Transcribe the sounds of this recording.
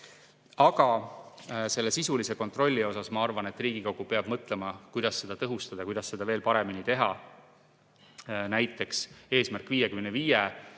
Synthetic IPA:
ɑɡ̥ɑ | se̞lːe̞sisulise̞ko̞t̪ˑro̞lʲːio̞sɑsmɑɑrvɑne̞t̪ːˑriːɡ̥ikoɡ̥upe̞ɑb̥mɤt̪ˑle̞mɑkujd̪̥ɑsːe̞d̪̥ɑt̪ɤɦust̪ɑd̪̥ɑkujd̪̥ɑsːe̞d̪̥ɑve̞ːlpɑɾe̞minit̪e̞ɦɑ | næjt̪ːˑe̞kse̞ːsmærkːˑviːjekymeneviːje

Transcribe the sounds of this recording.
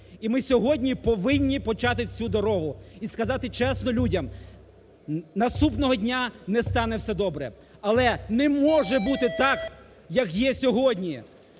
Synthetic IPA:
imɪsʲɔɦɔdʲnʲipɔʋɪnʲːipɔt͡ʃɑt̪ɪt͡sʲud̪ɔɾɔɦʊiskɐzɑt̪ɪt͡ʃɛsnɔlʲudʲɐm | nɐst̪upnɔɦɔdʲnʲanɛst̪ɑnɛwsʲɛd̪ɔbɾɛ̰ | ɐlˠɛnɛmɔʒɛbut̪ɪt̪ɑk | jɐkjɛsʲɔɦɔdʲnʲi

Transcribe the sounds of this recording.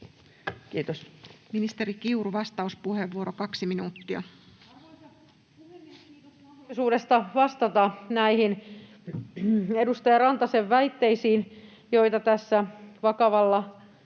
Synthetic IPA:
kiːt̪osminist̪eɾikiuruʋɑst̪ɑuspuheʋːuoɾokɑksiminuːt̪ːiɑ | suːdest̪ɑʋɑst̪ɑt̪ɑnæihin | edust̪ɑjɑrɑnt̪ɑseʋːæit̪ːe̞isiːn | jo̞it̪ɑt̪æsːæʋɑkɑʋɑlːɑ

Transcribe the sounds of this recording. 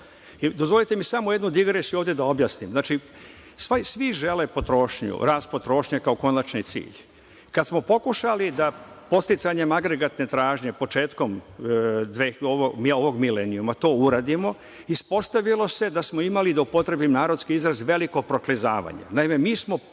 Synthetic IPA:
d̪ozʋo̞lit̪emisamojed̪nud̪iɡɾesijuoːʋd̪jed̪ao̞bjaːsnimznaːt͡ʃi | sʋasʋiʒe̞lepo̞t̪ɾo̞ʃɲṵɾaːspo̞t̪ɾo̞ːʃɲakao̞ko̞nat͡ʃnit̪sḭːʎ | kad̪smo̞po̞kuʃalid̪a | po̞t̪st̪it̪saɲe̞maɡɾeɡat̪ne̞t̪ɾaːʒɲe̞po̞t͡ʃe̞ːt̪ko̞m | d̪ʋeoʋoɡmoʋo̞ɡmileniumat̪o̞ːuɾaːd̪imo̞ | ispo̞st̪aʋilˠo̞se̞d̪asmoimalid̪aupo̞t̪ɾebimnaːɾod̪skiizɾazʋe̞liko̞pɾoklizaːʋa̰ɲa̰naime̞miːsmo̞

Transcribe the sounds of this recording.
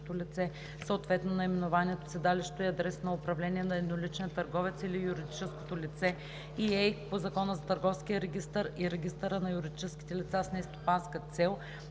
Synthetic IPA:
t̪olʲit̪sɛ | səot̪vɛt̪nonɐimɛnʊvaniɛt̪o̥sɛd̪aliʃt̪oiɐd̪ɾɛsnɐʊpɾɐvlɛniɛnɐɛd̪nolit͡ʃnijət̪ɐɾɡɔvɛt̪silijuɾid̪it͡ʃɛsko̥t̪olit̪sɛ | iɛjpozɐkɔnəzɐt̪ɐɾɡɔfskiəɾɛɡʲist̪əɾiɾɛɡʲist̪əɾənɐjuɾid̪it͡ʃɛsk̟i̥t̪ɛlʲit̪sasnɛst̪o̥panskət̪sɛlˠ

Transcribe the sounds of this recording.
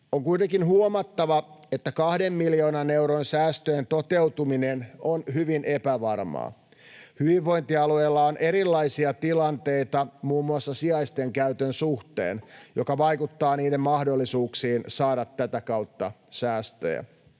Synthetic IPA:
oŋkujt̪eŋkinhuomɑt̪ːɑʋɑet̪ːækɑhde̞mːiljoːnɑnewɾonsæːst̪øjent̪o̞t̪e̞wt̪uminenonhyʋinʔepæʋɑrmɑ̰ː | hyʋiʋːo̞jnt̪iɑlueːlːɑonʔe̞ɾilːɑjsiɑt̪ilɑnt̪e̞it̪ɑmuːmːuɑsːɑsiɑjst̪eŋkæyt̪ønsuht̪ḛːnjo̞kɑʋɑjkut̪ːɑːniːdemmɑhdo̞lːisuːksiːnsɑːɾɑt̪ːæt̪ækɑwt̪ːɑ | sæːst̪ø̰jæ̰

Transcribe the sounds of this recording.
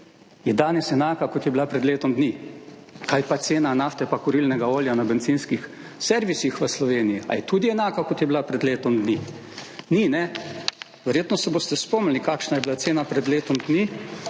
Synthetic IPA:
jɛd̪aːnɛsɛnaːkakɔt̪jɛbilapɾɛd̪leːt̪ɔmd̪ni | kajpat̪seːnanaft̪ɛpakɔɾilnɛɡaoːljanabɛnziːnskix | sɛɾʋisixʋəslɔʋeːnijia̰jɛt̪uːd̪iɛnaːkakɔt̪jɛbilapɾɛd̪leːt̪ɔmd̪ni | ninɛ | ʋɛɾjeːt̪nɔsɛboːst̪ɛspoːmnʲalikaːkʃnajɛbilat̪seːnapɾɛd̪leːt̪ɔmd̪ni

